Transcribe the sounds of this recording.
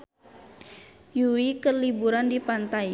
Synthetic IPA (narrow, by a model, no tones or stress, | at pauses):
juwikərlibuɾandipant̪ai